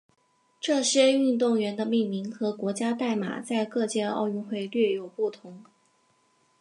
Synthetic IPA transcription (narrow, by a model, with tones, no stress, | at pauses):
ʈ͡ʂɤ˥˩ɕjɛ˥˧y˥˧nt̪̬ʊ˥˩ŋɥɛ˧˥nd̪ə˧mi˥˩nmi˧˥ŋxɤ˧˥kwɔ˧˥t͡ɕja˥t̪a˥˩ɪma̰˨˩t͡sa˥˧ɪkɤ˥˧t͡ɕjɛ˥˧ɑ̰˥˧ʊy˥˧nxwe˥˧ɪlɥɛ˥˩jo˨˩ʊpu˥˩t̪ʰʊ˧˥ŋ